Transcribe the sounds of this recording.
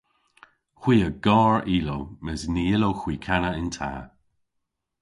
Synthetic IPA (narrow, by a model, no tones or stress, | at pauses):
xw̥iːəɡɔːɹiːlowməsniːɪlowxwiːkʰanəɪntʰa̰ː